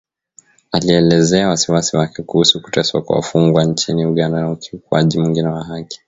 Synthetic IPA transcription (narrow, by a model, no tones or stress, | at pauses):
aliɛlɛzɛawasiwasiwakɛkuhusuku̥tɛswa̰kua̰fuŋɡwant͡ʃiniuɠandanaukiukuaʄimwiŋɡinɛwaɦaki̥